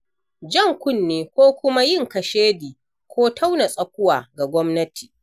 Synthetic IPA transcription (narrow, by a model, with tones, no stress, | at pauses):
d͡ʒɐ˦˨ŋkʷʊ˦˨nːeː˨kʷoː˦kʷʊ˦ma˦jɪ˦˨ŋkɐ˨ʃeː˦diː˨ | kʷoː˦tʰa˦wna˨sʼɐ˨k̚ʷʊ˦waː˨ɡa˨ɡʷɔ˦mnɐ˦ti̥ː˨